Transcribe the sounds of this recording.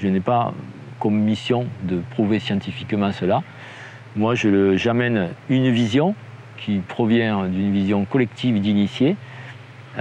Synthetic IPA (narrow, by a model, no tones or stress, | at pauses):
ʒənɛpa | kɔmːisjɔ̃d̪əpχuvesjɑ̃t̪ifikmɑ̃səla | mwaʒəəʒamɛnynvizjɔ̃ | kʲʰipχɔvjɛ̃d̪ynvizjɔ̃kɔlɛkt̪ʰivd̪inisje